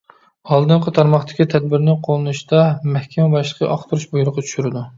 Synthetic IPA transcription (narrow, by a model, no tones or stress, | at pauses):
ɑlˠd̪ɨɴqət̪ʰɑɾmɑχt̪ʰɪ̥kʲit̪ʰɛd̪̚bɪɾnɪqʰolˠɨnuʃt̪ɑmɛhkʲɛmɛbɑʃlˠəqʰəʔɑχt̪ʰuɾuʃbujuɾˠʊqɑt͡ʃʰy̥ʃyɾɪd̪u